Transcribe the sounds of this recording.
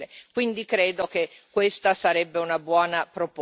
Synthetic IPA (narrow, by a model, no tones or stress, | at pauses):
ekwind̪ikɾeːd̪ok̟ekːwest̪asaɾɛbːeunabwɔːnapɾop